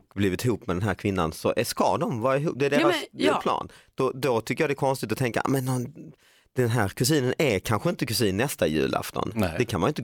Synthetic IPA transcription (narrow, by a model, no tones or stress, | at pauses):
kbliːvɪt̪ʰɪɦuːpmɛd̪ɛnɦæːɾkʰvɪnːa̰nsɔʔɛskɑ̰d̪ɔmvɑːɾaɪɦṵːp̚d̪ɛːɖeːɾasd̪ɛpʰlɑ̰ːnd̪̥ɔd̪ɔt̪ʰʏkːəjɑd̪ɛkʰɔnst̪ɪt̪ɔt̪ʰɛŋka̰mɛnd̪ɔm | d̪̥ɛnɦæːɾkʰɵs̬iːnənɛkʰanɧəɪnt̪əkɵsiːnːɛst̪ajʉ̟̰ːla̰ft̪ɔ̰nd̪ɛkʰanmanjʏɪnt̪̬